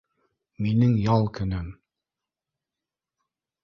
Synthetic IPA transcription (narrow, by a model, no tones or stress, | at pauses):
minɘŋjɑlˠkɵ̆nɘm